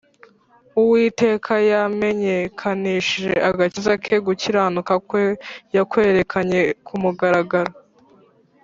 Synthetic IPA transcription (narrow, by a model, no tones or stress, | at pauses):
uwite̞ːkʰajame̞ɲekʰaniːʃiʒe̞̰ʔaɡacizakʰe̞ɡuciɾanukakwojakwe̞ːɾe̞kʰaɲe̞kʰumuɡaɾaɡaɾo